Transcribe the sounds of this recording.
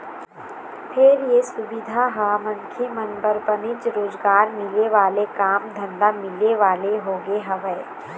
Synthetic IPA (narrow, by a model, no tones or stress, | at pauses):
pʰɪɾjesʊbɪd̪ʱaɦɐamə̃nkʰemɐnbəɾbənɪt͡ʃɾoːzɡaːɾmɪleʋaːlekaːmd̪ʱɐ̃ɳɖamɪleʋaːleɦoːɡeɦɐʋə